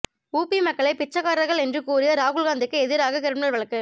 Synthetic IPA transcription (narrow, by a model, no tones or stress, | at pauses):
uːpːimɐkːɐɭɐɪpɪt͡ʃːɐɣaːɾɐɣɐɭɛndrɯkuːrɪjɐɾaːɣɯɭɣaːnd̪ɯkːɯɛðɪɾaːɣɐkɛɾɯmɪnɐlʋɐɭɐkːɯ